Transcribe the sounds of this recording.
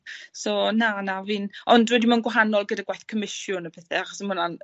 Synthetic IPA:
sɔnanavɨːnɔndwɛdimanɡwaɦanɔlˠɡədaɡwajθkʰəmɪsjʊnəpʰɛθɛaχɔsəmʊnan

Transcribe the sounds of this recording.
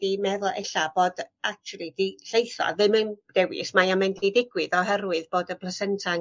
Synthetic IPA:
d̥imɛðɔʔɛɬaboːd̥ak̚t͡ʃʰulˠidiɬejθɔ̰ðɨmənd̥ɛwɪ̰smajamɛndidɪɡwɨðɔɦɛrwɨðb̥oːdəpʰlˠəsɛntʰa

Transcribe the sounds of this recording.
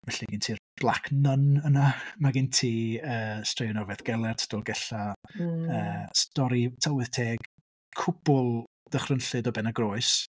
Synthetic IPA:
vɛɬiɡintʰiːrb̥lˠakʰnənənamaɡɪntʰiːəːstreɔnɔvɛðɡ̥ɛlˠɛrtʰḁd̥ɔlˠɡɛɬa | əːstɔɾitʰalwɪð̥tʰeːɡ̥ | kʰʊb̥ʊlˠ | d̥əχrənɬɨdɔbɛnaɡroɨs

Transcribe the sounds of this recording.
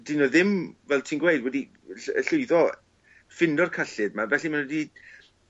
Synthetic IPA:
d̥inɔðɪmvɛlˠtʰiːnɡwejdwɛdi | ɬə̰ɬʊɨðɔ | fɪndɔrkʰaɬɨdmavɛɬimanwɛdi

